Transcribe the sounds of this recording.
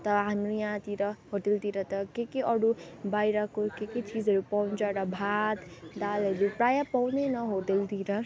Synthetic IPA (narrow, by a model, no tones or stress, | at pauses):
t̪ʌɦamɾujãt̪iɾʌɦot̪ilt̪iɾʌt̪ʌkekiʌɽubajɾʌkokekit͡sid͡zʌɾupawnt͡sʌɾʌbʱat̪d̪alʌɾupɾajapawnenʌɦot̪ilt̪iɾʌ